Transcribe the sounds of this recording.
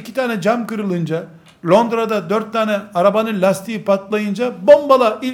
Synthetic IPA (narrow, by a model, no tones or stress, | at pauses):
cʰi̥t̪ʰaːnɛd͡ʒamkɯɾɯlˠɯnd͡ʒa | lʲo̞nd̪ɾad̪ad̪øɾt̪ʰːaːnɛaɾabanɯlʲast̪ʰijipat̪lˠajɯnd͡ʒabo̞mbalˠaʔi